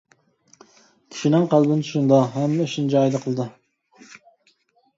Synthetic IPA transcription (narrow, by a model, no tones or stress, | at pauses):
kʲʰi̥ʃinɪŋqʰɑlˠbɪnt͡ʃʰu̥ʃund̪ɑɦɛmːɛʃind͡ʒɑːjd̪ɑqʰəlˠɨd̪ɨ